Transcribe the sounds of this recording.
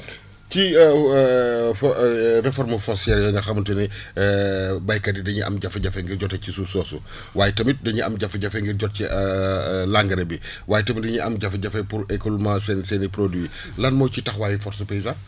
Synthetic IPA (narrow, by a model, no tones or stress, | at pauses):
ci | frɛfɔɾmɐfɔsiɛɾjɔŋɡɐxɐmtɐni | bɐjkɐdidɐɲiʔɐ̰mɟɐfɐɟɐfɛŋɡiɾɟɔtɛcisusɔːsu | waːjɛtɐmit̚dɐɲiɐmɟɐfɐɟɐfɛŋɡiɾɟɔt̚ci | laŋɡɐɾɐbi | waːjɛtɐmidɐɲiʔɐmɟɐfɐɟɐfɐpuɾɛkulumãsɛnsɛnipɾodwi | lɐnmɔjcitɐxwaːjifɔɾsɐpɛizan